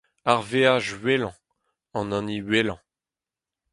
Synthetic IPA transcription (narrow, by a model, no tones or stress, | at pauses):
aʁveaʒɥelɑ̃ | ɑ̃nɑ̃niɥelɑ̃